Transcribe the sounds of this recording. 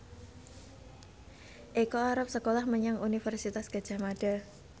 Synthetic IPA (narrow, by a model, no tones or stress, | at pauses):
ʔekoaɾap̚səkolahməɲaŋunifərsit̪asɡ̥ḁd͡ʒ̥amaɖ̥a